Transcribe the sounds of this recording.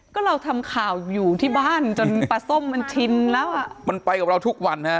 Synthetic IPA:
kɔː˥˩ɾa˧wt̪ʰa˧mkʰaː˨˩wjuː˨˩t̪ʰiː˥˩baː˥˩nt͡ɕo˧npa˨˧˩so˥˩mːa˧nt̪ʰi˧nlɛː˦˥wʔa˨˩ʔma˧npa˧jka˨˩p̚ɾa˧wt̪ʰu˦˥k̚wa˧nha˦˥

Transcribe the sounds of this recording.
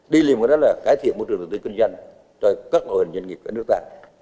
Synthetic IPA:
ɗi˧li˨˩m̚˨˩ɗɔ˨˦laː˨˩kaː˨˦jt̪ʰi˧˨ənmo˧˩ɨ˨˩ɗə˨˩t̪i˧ki˧ŋzwa˧jŋ | t͡ɕɔ˧kaː˦˥k̚no˨˩˨hə˨˩ɲə˧nŋi˨˩p̚kaː˧˩nɨ˦˥k̚t̪aː˧

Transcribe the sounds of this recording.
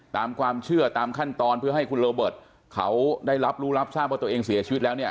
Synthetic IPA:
t̪aː˧mkʰwaː˧mt͡ɕʰɯ˥˩ɐt̪aː˧mkʰa˥˩nt̪ɔː˧npʰɯ˥˩ɐɦa˥˩jkʰu˧nɾoː˧bɤː˨˩t̪̚ | kʰa˦˥wdaː˥˩jɾa˦˥p̚ɾuː˦˥ɾa˦˥p̚saː˥˩p̚wt̪ːeː˧ŋsi˨˩˦t͡ɕʰiː˧˦t̪̚lɛː˦˥wni˥˩ɐ

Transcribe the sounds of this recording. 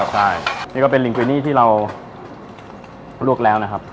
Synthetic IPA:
t͡ɕʰa˥˩jniː˥˩kɔ˥˩pe˧li˨˩˦ŋkwiː˧niː˥˩t̪ʰiː˥˩ɾa˧w | luː˥˩ək̚lɛː˦˥wna˦˥kʰa˦˥p̚

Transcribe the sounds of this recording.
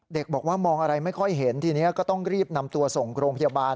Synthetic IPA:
de˨˩k̚bɔː˨˩k̚waː˥˩mɔː˧ŋʔa˧ɾa˧jma˥˩jkʰɔ˥˩jɦe˩˦nt̪ʰiː˧ni˦˥ɐkɔː˥˩t̪ɔ˥˩ŋɾiː˥˩p̚na˧mt̪u˧ɐso˨˩ŋɾoː˧ŋpʰa˧jaː˧baː˧n

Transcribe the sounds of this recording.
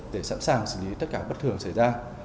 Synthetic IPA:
ɗe˧˩sa̰˧˥nsaː˨˩ŋsɨ̰˧˩li˨˦t̪ə˦˥t̚kaː˧˩ɓə˦˥t̚t̪ɨ˨˩əŋsa˧˩jzaː˧

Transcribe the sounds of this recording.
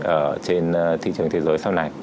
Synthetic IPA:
ʔəː˧˩t͡ɕe˧n˧t̪ʰḭ˧˨t͡ɕɨ˨˩əŋt̪ʰe˨˦zəː˨˦jsa˧wna˨˩j

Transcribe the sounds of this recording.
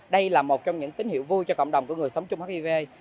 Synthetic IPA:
ɗə˧jlaː˨˩mo˨˩t̚t͡ɕɔ˧wŋ͡mɲɨ̰˧˥ŋt̪i˨˦ŋ̟hḭ˧˨wvu˧jt͡ɕɔ˧kə̰˧˨ŋ͡mɗə˨˩ŋ͡mku˧˩əŋɨ˨˩əjsə˨˦ŋ͡mt͡ɕʊ˧ŋ͡mhaː˦˥k̚i˧ve˧j

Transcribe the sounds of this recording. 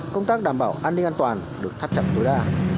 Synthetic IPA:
kə˧wŋ͡mt̪aː˦˥k̚ɗaː˧˩mɓaː˧˩wʔaː˧nːï˧ŋʔaː˧nt̪waː˨˩nɗɨ˨˩ək̚t̪ʰa˦˧˥p̚t͡ɕə̰˨˩m̚t̪o˨˦jɗaː˧

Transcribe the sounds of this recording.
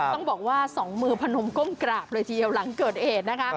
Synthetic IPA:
ɔ˥˩ŋbɔː˨˩k̚waː˥˩sɔː˩˦ŋmɯː˧pʰa˧no˧mko˥˩mkɾaː˨˩p̚lɤː˧jt̪ʰiː˧˩i˧əwla˩˦ŋkɤː˨˩t̪̚ʔheː˨˩t̪̚na˦˥kʰa˦˥ʔ

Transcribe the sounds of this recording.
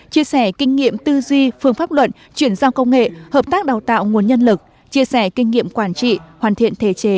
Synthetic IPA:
t͡ɕi˧əsɛ˧˩kï˧ŋ̟ŋḭ˧˨əmt̪ɨ˧zwi˧fɨ˧˩əŋfaː˦˥p̚lwə̰˧˨t̚ | t͡ɕwi˧˩ənzaː˧wkə˧wŋ͡mŋḛ˧˨həː˨˩p̚t̪aː˦˥k̚ɗaː˨˩wt̪a̰ː˧˨wŋu˨˩ənɲə˧nlɨ˨˩k̚ | t͡ɕi˧əsɛ˧˩kï˧ŋ̟ŋḭ˧˨əmkwaː˧˩nt͡ɕḭ˧˨hwaː˨˩nt̪ʰḭ˧˨ənt̪ʰe˧˨˩t͡ɕe˨˦

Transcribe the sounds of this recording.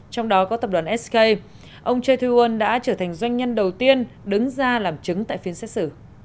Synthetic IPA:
t͡ɕɔ˧wŋ͡mɗɔ˨˦kɔ˨˦t̪ə˨˩p̚ɗwaː˨˩nʔɛ˦˥ske˧j | ʔə˧wŋ͡mt͡ɕə˧t̪ʰwi˧wə˧nɗa̰ː˧˥t͡ɕəː˧˩t̪ʰa˨˩jŋ̟zwa˧jŋ̟ɲə˧nɗə˨˩wt̪i˧ənɗɨ˨˦ŋzaː˧laː˨˩mt͡ɕɨ˨˦ŋt̪a̰ː˧˨jfi˨˦ənsɛ˦˥t̚sɨ˧˩

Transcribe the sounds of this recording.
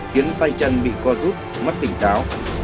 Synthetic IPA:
xi˨˦ənt̪a˧jt͡ɕə˧nɓḭ˧˨kɔ˨˧zu˦˥t̚ | ma˦˥t̚t̪ï˧˩ŋ̟t̪ʰaː˨˦w

